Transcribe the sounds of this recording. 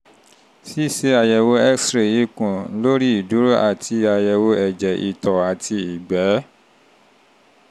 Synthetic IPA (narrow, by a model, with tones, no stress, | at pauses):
si˦˨se˦a˧jɛ˧wo˧˦ɛ˦ksɾe˨i˨˧kũ˨˦lo˦ɾi˦i˨du˨˦ɾo˦ʔa̰˦˨tʰi˧a˧jɛ˧wo˧˦ɛ˨d͡ʒɛ˨ʔḭ˨tɔ˨a˨tʰi˧i˨ɡ͡bɛ˨˦